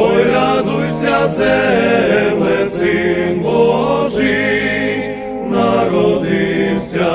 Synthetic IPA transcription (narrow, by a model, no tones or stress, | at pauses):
ɔjɾad̪ujsʲat̪zɛ | mlɛsɨnbɔʒɨj | naɾɔd̪iwsʲa